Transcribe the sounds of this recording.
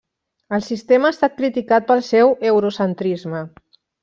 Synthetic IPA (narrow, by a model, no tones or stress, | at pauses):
əlˠsist̪eməːst̪at̪̚kɾit̪ikat̪̚pəlˠsɛwewɾusənt̪ɾizmə